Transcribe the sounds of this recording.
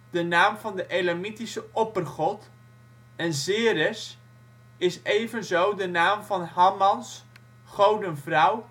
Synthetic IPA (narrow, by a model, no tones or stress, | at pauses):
d̥ənaːmvɑndəʔelamitisəʔɔpərχɔt | ɛnzɪːɾəs | ɪsejvənzowdənaːmvɑnhɑmɑns | χowdənvrʌw